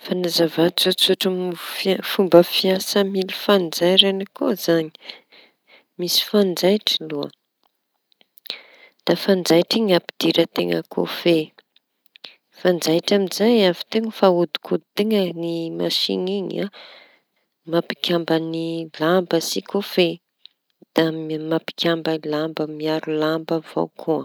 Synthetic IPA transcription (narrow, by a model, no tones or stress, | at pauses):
fanazavat͡sut͡suʈ͡ʂmffumbəfiasəmilufand͡zajɾanikozaɲi̥ | misi̥fand͡zajʈ͡ʂiluə̰ | d̪̥afand͡zajʈ͡ʂiɲapid̪̥iɾət̪eŋə̰ko̰fe | fand͡zajʈ͡ʂamizajavi̥t̪eŋəfaud̪i̥kʰud̪it̪eŋənimaʃḭniɲa | mapi̥kʲambənilambəsikofe | d̪̥amapi̥kʲambənlambəmiaɾulambəv̥o̰kʰua